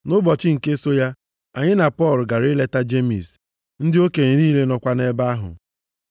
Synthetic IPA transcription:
nʊ˦bɔ˨t͡ʃɪ˦ŋ̩˨ke˦so˦ja˦ | a˨ɲɪ˦na˨pɔ˦˨lʊ˨ɡa˨ɾɪ˦le˦ta˦d͡ʒe˦mḭ˨s | n̩˦dɪ˦o˦ke˨ɾiː˦le˦nɔ˨kʷa˦ne˦ba˦ɦʊ̰˨

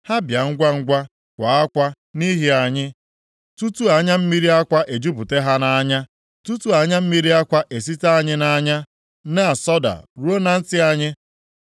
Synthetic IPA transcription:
ha˦bja˨ŋ̩˦ɡʷa˦ŋ̩˦ɡʷa˦ | kʷa˨a˦kʷa˦ | ni˦ɦi˦a˨ɲɪ˦ | tu˦tu˦a˨ɲa˦m̩˦mi˦ɾi˦a˦kʷa˦ʔe˨d͡ʒu˦bʊ˨te˦ɦa˦na˦ɲa˦ | tu˦tu˦a˨ɲa˦m̩˦mi˦ɾi˦a˦kʷa˦ʔe˨si˦ta˦a˦ɲɪ˦na˦ɲa˦ | ne˦a˨sɔ˦da̰˨ɾu˦o˦na˦n̩˦tɪ˦a˦ɲɪ˦

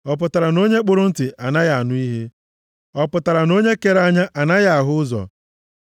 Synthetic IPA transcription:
ɔ˦p̬ʊ˨ta˨ɾa˨no˦ɲe˦k͡pʊ˦ɾʊ˦n̩˦tɪ˨ʔa˨na˦ja˨a˨nʊ˦i˦ɦe˦ | ɔ˦pʊ˨ta˨ɾa˨no˦ɲe˦ke˦ɾa˦ɲa˦ʔa˨na˦ja˦a˨ɦʊ˦ʊ˦zɔ̰˨

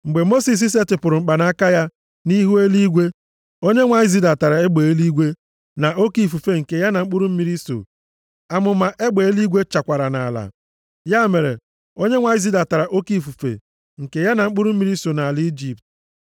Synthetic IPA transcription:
ŋ͡m̩˨ɡ͡be˨mo˦si˨s̬i˦s̬e˦tɪ˨pʊ˨ɾʊ˨ŋ͡m̩˨k͡pa˨na˦a˦ka˦ja˦ | ni˦ɦu˦e˦li˦ɡʷe˦ | o˦ɲe˦ŋʷa˨i˦zi˦da˨ta˨ɾa˨e˦ɡ͡be˨e˦li˦ɡʷe˦ | na˨ʔo˦ki˨fu˨fe˨ŋ̩˨ke˨ja˦na˨ŋ͡m̩˦k͡pʊ˦ɾʊ˦m̩˦mi˦ɾi˦so̰˨ | a˨mʊ˨ma˨ʔe˦ɡ͡be˨e˦li˦ɡʷe˦t͡ʃa˨kʷa˨ɾa˨na̰˨la̰˨ | ja˦me˨ɾḛ˨ | o˦ɲe˦ŋʷa˨i˦zi˦da˨ta˨ɾa˨ʔo˦ki˦˨fu˨fḛ˨ | ŋ̩˨ke˨ja˦na˨ŋ͡m̩˦k͡pʊ˦ɾʊ˦m̩˦mi˦ɾi˦so˨na˨a˨li˦d͡ʒi˨p̚t

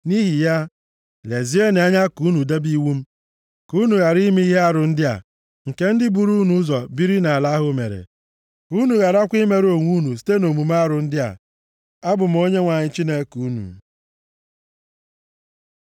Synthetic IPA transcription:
ni˦ɦi˨ja˦ | le˨zi˦e˦ne˨a˦ɲa˦ku˦nu˨de˦bi˦wu˦m̩˦ | ku˦nu˨ɣa˨ɾi˦mi˦i˦ɦe˦a˦ɾʊ˨n̩˦dɪ˦a̰˨ | ŋ̩˨ke˦n̩˦dɪ˦bu˨ɾu˦nu˦zɔ˨bi˦ɾi˦na˨la˦ɦʊ˦mḛ˨ɾḛ˨ | u˦nu˨ɣa˨ɾa˦kʷi˦me˨ɾo˨ŋʷu˦nu˨s̬i̥˦te˦no˨mu˨m˦a˦ɾʊ˨n̩˦dɪ˦a̰˨ | a˦bʊ˨m̩˦o˦ɲe˦ŋʷa˨ɲɪ˨t͡ʃi˦ne˦ku˨˦nṵ˨

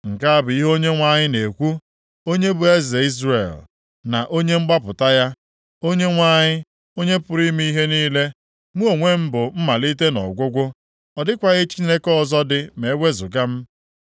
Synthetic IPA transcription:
ŋ̩˨ka˦a˦bʊ˨i˦ɦo˦ɲe˦ŋʷa˦ɲɪ˦ne˨kʷu˦ | o˦ɲe˦bʊ˨e˦ze˨i˦zrḛ˨l | na̰˨ʔo˦ɲe˦ŋ͡m̩˦ɡ͡ba˦pʊ˨ta˦ja˦ | o˦ɲe˦ŋʷa˦ɲɪ˦ | o˦ɲe˦pʊ˨ɾi˦mi˦ɦe˦niː˦le˦ | mu˦o˨ŋʷe˦m̩˦bʊ˨m̩˦ma˨li˦t̬e˦nɔ̰˨ɡʷʊ˦ɡʷʊ˦ | ɔ˨dɪ˦kʷa˨ɣɪ˦t͡ʃi˦ne˦kɔ˦˨zɔ˦dɪ˦me˨˦ɡʷe˦zʊ˨ɡa˦m̩˦

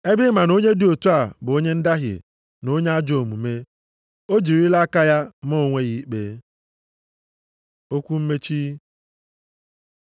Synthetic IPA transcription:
e˦bɪ˦ma˨no˦ɲe˦dɪ˨o˨tu˦a˨bʊ˨o˦ɲe˦n̩˦da˦ɦɪ̰˨ | no˦ɲe˦a˦d͡ʒo˨mṵ˨me˦ | o˦d͡ʒi˨ɾi˦la˦a˦ka˦ja˦mɔ˦˨ŋʷe˦ɣi˦k͡pe˦ | o˦kʷu˦m̩˦me˦t͡ʃi˦

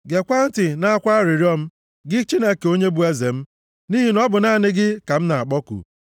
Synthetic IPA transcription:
ɡe˨kʷa˦n̩˦tɪ˨na˦a˦kʷa˦ɾɪ˨ɾjɔ˦m̩˦ | ɡɪ˦t͡ʃi˦ne˦ke˨o˦ɲe˦bu˦e˦ze˨m̩˦ | ni˦ɦi˨nɔ˦bʊ˨na˦˨nɪ˦ɡɪ˦ka˨m̩˦na˨a˨k͡pɔ˦kṵ˨

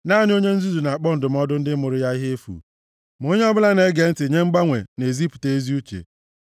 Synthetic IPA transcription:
na˦n˦o˦ɲe˦n̩˦zu˦zu˨na˨a˨k͡pɔ˦n̩˨dʊ˨m̩˦ɔ˦dʊ˦n̩˦dɪ˦mʊ˨ɾʊ˦ja˦i˦ɦe˦e˦fṵ˨ | m˨o˦ɲe˦ɔ˦bʊ˦la˦ne˦ɡe˨n̩˦tɪ˨ɲe˦ŋ͡m̩˦ɡ͡ba˦ŋʷe˨ne˨zi˦pu̥˨te˦e˦zi˦u˦t͡ʃḛ˨

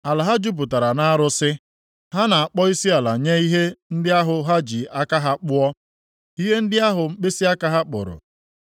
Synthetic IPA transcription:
a˨la˨ɦa˦d͡ʒu˦p̬u˨ta˨ɾa˨na˦a˦ɾʊ˦sɪ˦ | ɦa˦na˨a˨k͡pɔ˦i˦si˦a˨la˨ɲe˦i˦ɦe˦n̩˦dɪ˦a˦ɦʊ˨ɦa˦d͡ʒi˨a˦ka˦ɦa˦k͡pʊ˦ɔ˦ | i˦ɦe˦n̩˦dɪ˦a˦ɦʊ˨ŋ͡m̩˦k͡pe˦si˦a˦ka˦ɦa˦k͡pʊ̰˨ɾʊ̰˨

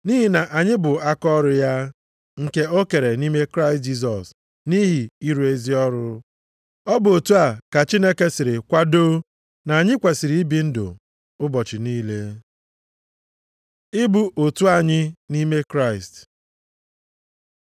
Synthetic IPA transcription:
ni˦ɦi˨na˨ʔa˨ɲɪ˦bʊ˨a˦kɔ˦ɾʊ˨ja˦ | ŋ̩˦ke˦o˦ke˨ɾe˨ni˦me˦kɾa˦ɪ˨st̚d͡ʒi˦s̬ɔ˨s | ni˦ɦi˨i˦ɾu˨e˦zi˦ɔ˦ɾʊ˦ | ɔ˦bʊ˨o˨tu˦a˨ka˨t͡ʃi˦ne˦ke˦sɪ˨ɾɪ˨kʷa˦do˦ | na˨a˨ɲɪ˦kʷe˨si˨ɾi˨˦i˦bi˨n̩˦dʊ̰˨ | ʊ˦bɔ˨t͡ʃɪ˨niː˦le˦ | ɪ˦bu˨ʔo˨tu˦a˨ɲɪ˦ni˦me˦kɾa˦ɪ˨st

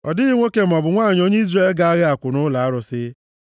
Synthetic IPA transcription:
ɔ˨dɪ˦i˦ŋʷo˦ke˦m̩˨ɔ˨bʊ˨ŋʷaː˦˨ɲ˦o˦ɲe˦i˦zre˨e˨lɡa˨a˦ɣɪ˦a˨kʷʊ˨nʊ˦la˨a˦ɾʊ˨sɪ˦

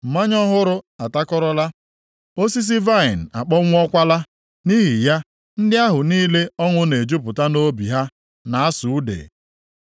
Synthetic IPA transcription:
m̩˨ma˦ɲɔ˦ɦʊ˦ɾʊ˦a˨ta˦kɔ˦ɾɔ˦la˦ | o˦si˦s̬i˦va˦˨ɪ˨n̩˨a˨k͡pɔ˦ŋʷ˦ɔ˦kʷa˦la˦ | ni˦ɦi˨ja˦ | n̩˦dɪ˦a˦ɦʊ˨niː˦le˦ɔ˦ŋʷʊ˦ne˨d͡ʒu˦pʊ˨ta˦no˦bḭ˨ɦa˦ | na˨a˦sʊ˨u˦dḛ˨

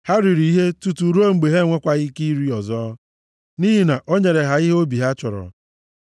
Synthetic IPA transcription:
ha˦ɾi˨ɾi˨i˦ɦe˦tu˨tu˨ɾo˦ŋ͡m̩˨ɡ͡be˨ɦe˦˨ŋʷe˦kʷa˦ɣi˦ki˦ɾi˦ɔ˨zɔ˦ | ni˦ɦi˦na˨ʔo˦ɲe˨ɾe˨ɦa˨i˦ɦe˦o˦bi˨ɦa˦t͡ʃʊ˨ɾɔ̰˨

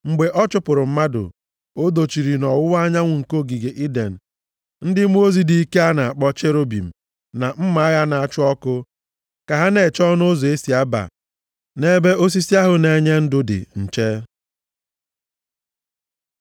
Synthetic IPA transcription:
ŋ͡m̩˨ɡ͡be˨ʔɔ˦t͡ʃʊ˦pʊ˨ɾʊ˨m̩˦ma˦dʊ̰˨ | o˦do˨t͡ʃi˨ɾi˨nɔ˨wʊ˦wa˦ɲa˦ŋʷʊ˨ŋ̩˨ko˦˨ɡi˨ɡe˨ʔi˦dḛ˨n̩˨ | n̩˦dɪ˦mu˦o˦zi˦di˨i˦ke˦a˦na˨a˨k͡pɔ˦t͡ʃe˦ɾo˦bḭ˨m̩˨ | na˨m̩˦ma˨˦a˦ɣa˦na˨a˨t͡ʃʊ˦ɔ˦kʊ˦ | ka˨ɦa˦ne˨t͡ʃɔ˦no˦zo˨e˦si˨a˦ba̰˨ | ne˦be˦o˦s̬i˦si˦a˦ɦʊ˨ne˨ɲe˦n̩˦dʊ˦dɪ̰˨n̩˨t͡ʃe˦

